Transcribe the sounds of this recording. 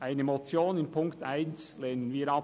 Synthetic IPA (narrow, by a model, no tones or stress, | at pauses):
ʔaɪnəmot͡sjoːnɪnpʰʊŋktaɪnslɛnənviːɾɑ